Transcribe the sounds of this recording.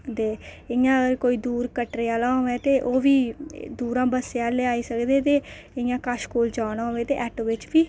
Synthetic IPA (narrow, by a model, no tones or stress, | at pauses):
d̪eː | ɪjãːəɡəɾkoːiːd̪uːɾkəʈɾeaːlãːɦoɛ̃ːt̪eːʔoːʋiːd̪uːɾãːbəseãːleːaːiːsəkd̪eːt̪eː | ɪjãːkaʃkoːld͡ʒaːɽ̃ãːɦoːeːt̪ḛːʔɛːʈʋɪt͡ʃʋiː